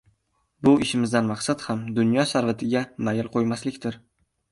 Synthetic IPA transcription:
bʊʔɪʃɪmɪzd̪anmaqsat̪hamd̪ʊnjɒʃaɾvɪt̪ʰɪɡʲamajɪlˠqʰojmaslɪkʲt̪ʰɪɾ

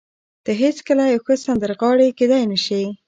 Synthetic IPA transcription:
d̪̥əɦet͡skəlajawxəsand̪əɾɣɑɽeked̪ajnəʃi

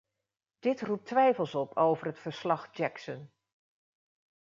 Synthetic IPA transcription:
d̥ɪtrup̚tʋɛjfəlˠsɔpʰowvərɦətfəɹslɑχd͡ʒɛksən

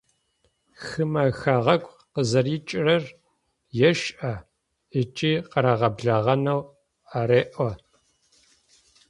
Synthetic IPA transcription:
xɨmɐxaʁɐkʷʼ | qəzɐrɪt͡ʃʼɪrɐr | jɛʃʔɐ | it͡ʃʼiːqəɾaʁɐbɮɐʁɐnɐw | areːʔʷɔ

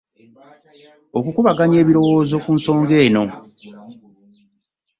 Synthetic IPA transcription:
okukuβaɡaɲe̞ːβiɾo̞wo̞ːzo̞kunso̞ːŋɡe̞ːno̞

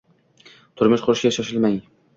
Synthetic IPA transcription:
t̪ʰʊɾmɪʃqʰʊɾɪʃʲaʃaʃɪlmaŋ

